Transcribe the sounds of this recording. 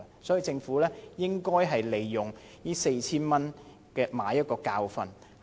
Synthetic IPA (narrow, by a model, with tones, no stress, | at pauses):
sɔː˨˥ji˨˧t͡sɪ˧ŋfuː˨˥lɛː˥jɪ˥ŋkɔː˥jɦɐ˨jle˨jːʊ˨˩ŋ | jiː˥se˧jt͡sʰiː˥nmɐ˥n | kɛː˧maː˨˥jɐ˥t̚kɔː˧kaː˧wfɐ˧n